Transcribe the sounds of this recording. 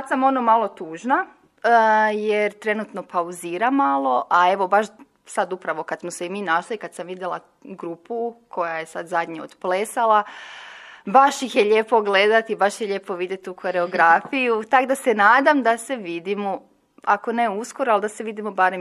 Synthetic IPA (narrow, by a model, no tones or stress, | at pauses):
asamo̞nomalˠo̞t̪uːʒna | jeɾt̪ɾe̞nut̪no̞pauziːɾamalˠo̞ʔae̞ʋo̞baʃ | sad̪upɾaʋo̞kad̪smoseimiːnaʃliikad̪samʋid̪jela | ɡɾuːpukʰo̞jaje̞sad̪zad̪ɲio̰d̪̥pleːsalˠa | baʃjixjeʎe̞ːpo̞ɡle̞d̪at̪ibaʃjeʎe̞ːpo̞ʋid̪je̞t̪ukʰo̞ɾe̞oɡɾafijut̪aɡd̪asenaːd̪amd̪ase̞ʋid̪imo | ako̞ne̞uskoɾoald̪aseʋid̪imobaːɾem